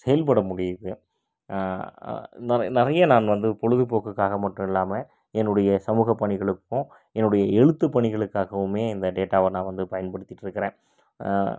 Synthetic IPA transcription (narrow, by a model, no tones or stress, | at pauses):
sɛjɐlpɐɽɐmʊɽɪjðɯ | nɪnɪɾɐjɐnaːnʋɐnd̪ɯpɔɻɯðipoːɣɐkːaːɣɐmɐʈːɯ̃ɪlːaːmɐ | ɛnːɯɽɐjɐsɐmuːɣɐpːɐɳɪɣɐɭɯkːʊ̃ | ɛnːɯɽɐjɐɛɻɯt̪ːɯpːɐɳɪɣɐɭɯkːaːɣɐʋɯmeːɪnd̪ɐɖeːʈːaːʋɐnãːʋɐnd̪ɯpɐjɐnpɐɽɯt̪ːɪʈːɪɾɯkːɪɾẽː